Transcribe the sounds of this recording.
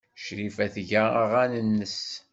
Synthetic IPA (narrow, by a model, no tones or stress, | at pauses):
ʃɾifæθʝææʁænənːəs